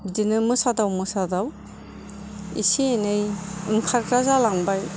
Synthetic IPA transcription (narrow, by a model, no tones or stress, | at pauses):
bidinɯmɯsadawmɯsadaw | ḭsienɯjɯŋkʰaɾkɾazalaŋbaj